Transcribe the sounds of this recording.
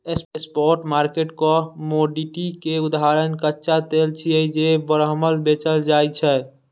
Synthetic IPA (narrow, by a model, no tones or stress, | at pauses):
esespɔɾʈmaɾkeʈkɔmoɖiʈikeud̪aɦaɾənkətːʃat̪elt͡ʃʰiəid͡ʒebəɾɦməlbet͡ʃəld͡ʒajt͡ʃʰɛ